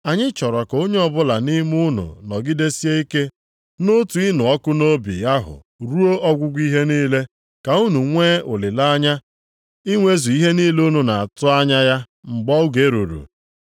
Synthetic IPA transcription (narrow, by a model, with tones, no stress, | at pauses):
a˨ɲɪ˦t͡ʃɔ˨ɾɔ˨ko˦ɲe˦ɔ˨bʊ˦la˨ni˦mʊ˦nʊ̰˨nɔ˨ɡɪ˦de˦si˦e˦i˦ke˦ | no˦tu˨i˦nʊ˨ɔ˦kʊ˦no˦bḭ˨ja˦ɦʊ̰˨ | ɾu˦o˦ʔɔ˦ɡʷʊ˦ɡʷi˦ɦe˦niː˦le˦ | ka˨u˦nu˨ŋʷe˦o˨lɪ˨la˦ɲa˦ | i˦ŋʷe˦zu˨i˦ɦe˦niː˦le˦o˦nu˨na˨a˨tʊ˦a˦ɲa˦ja˦ | ŋ͡m̩˨ɡ͡bɔ˦ʊ˦ɡe˨˦ɾu˨ɾṵ˨